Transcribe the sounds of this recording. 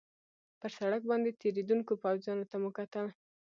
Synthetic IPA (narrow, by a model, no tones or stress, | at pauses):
pəɾsaɽak̚bɑnd̪et̪eɾed̪unkopawzjɑnot̪aməkat̪əl